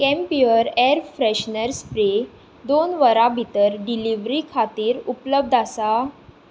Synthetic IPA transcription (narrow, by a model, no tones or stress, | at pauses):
kɛ̃mpiəɾɛɾfɾɛɕnəɾspɾe | d̪onʋəɾabʱit̪əɾɖiliʋɾikʰat̪iːɾupləb̚d̪ʱasa